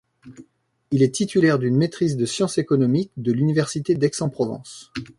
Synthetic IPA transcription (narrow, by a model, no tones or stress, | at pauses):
ilɛt̪it̪ylɛʁd̪ynmet̪χizd̪əsjɑ̃sekɔnɔmik̚d̪əlynivɛʁsit̪ed̪ɛksɑ̃pχɔvɑ̰̃s